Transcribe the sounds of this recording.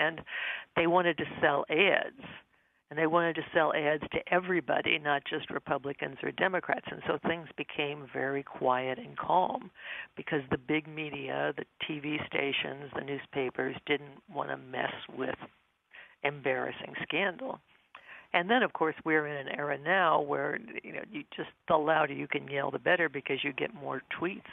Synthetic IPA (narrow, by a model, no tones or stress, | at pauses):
ɨ̃nðeɪwɑ̃ɾ̃ɨd̚tɨsɛlˠɛdz̥̃ | nðeɪwɑ̃ɾ̃ɨd̚tɨsɛlˠɛdz̥tʰɨʔɛvɹibɑ̰ɾḭnət̚d̥ʒ̥ʌst̚ɹɨpʰʌblɨkɨ̰̃nzə̰˞dɛmɨkʰɹ̥æ̰tsɨ̃nsoʊθɪ̃ŋzbɨkʰẽɪ̃ɱvɛɹikʰw̥aɪɨɾɨ̃nkʰɑ̰lˠmb̥ɨkʰʌzðɨbɪɡ̚miɾiɨ̰ðɨtʰivistḛɪʃɨ̰̃nzðɨnʉz̥pʰeɪpə˞zdɪdⁿn̩ʔwɑ̰̃ñə̰mɛ̰swɪð̥ | ɨ̃mbɛɹɨ̰sɪ̰̃ŋskæ̃ndˡl̩ˠ | ɨ̃nðɨ̃ñʌv̥kʰɔɹswiə˞ɨ̃nɨ̃nɛ̰ɹɨnaʊwə̰˞jɨ̰no̰ʊjɨd͡ʒʌstəlaʊɾjɨkɨ̃njɛlˠðəbɛɾə˞bɨkʰʌzjɨɡɛ̰t̚mɔ̰ɹtʰw̥its